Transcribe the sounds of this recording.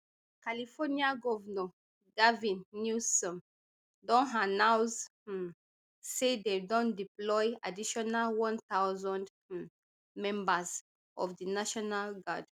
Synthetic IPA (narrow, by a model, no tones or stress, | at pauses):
kalifɔniãɡɔvnɔ | ɡavĩnːusɔ̃m | dɔ̃nɦanãws | sededɔ̃ndiplɔja̰diʃɔnalwɔ̃nt̪awzɔ̃nd | mɛ̃mbaz | ɔfdinaʃɔnalɡad